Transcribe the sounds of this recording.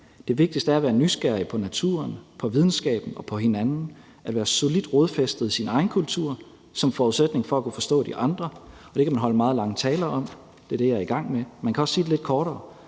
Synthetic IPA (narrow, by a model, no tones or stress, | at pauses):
d̥e̝ʋe̝ɡ̥̚d̥isd̥əæɐæʋæːɐnysɡ̥æɐ̰ipʰɒ̽næt͡sʰṵɐnpʰɒ̽ʋið̞ˠn̩sɡ̥ɛ̰ːb̥n̩ɒ̽pʰɒ̽he̝nænn̩ | ʔæd̥ʋæːɐso̝lid̥ʁoð̞ˠfesd̥ð̩ˠisinɑ̈ɪn̩kʰult͡sʰuɐ̰ | sɒ̽mfɒuðˠsed̥ne̝ŋfɒ̽ækʰufɒ̽sd̥ɔ̰̽ːd̥iʔɑ̈nd̥ʁɐ | ɒ̽d̥e̝kʰæmænɦɒ̽ləmɑ̈ːð̞̩ˠlɑ̈ŋət͡sʰɛːlɐʔɒ̽m̰ | d̥e̝d̥ejɑ̈ɐiɡ̥ɑ̈ŋ̰memænkʰæɒ̽sːiːd̥e̝le̝d̥̚kʰɒːɾɐː